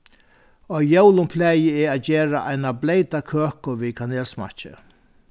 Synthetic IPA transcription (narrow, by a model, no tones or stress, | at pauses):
ɔjɛwlʊmpʰlɛːjɪɛaːt̪d͡ʒeːɹa̰ʔa̰jnablejt̪akʰøːkʊʋikʰaneːlsma̰t͡ʃɪ̰